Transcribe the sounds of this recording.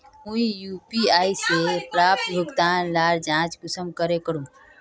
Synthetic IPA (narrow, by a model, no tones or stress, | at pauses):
ũijuːpiaːisepɾaːp̚t̪bəɡd̪aːnlaːɾd͡ʒãːt͡ʃkʊsəmkəɾekəɽũː